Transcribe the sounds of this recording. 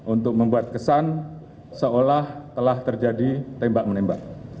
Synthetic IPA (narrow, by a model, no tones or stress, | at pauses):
ʔunt̪ʊk̚məmbuat̪̚kəsan | səolaht̪əlaht̪ərd͡ʒadit̪ɛmbaʔ̚mənembaʔ̚